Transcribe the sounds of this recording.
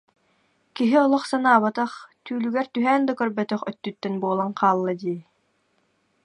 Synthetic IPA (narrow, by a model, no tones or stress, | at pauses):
kiɦiɔlˠɔχsanaːβat̪aχt̪yːlyɡɛɾt̪yɦæːnd̪akœɾbœt̪œχœt̪ːyt̪ːɛnbuɔlˠaŋqaːlˠːad̪iː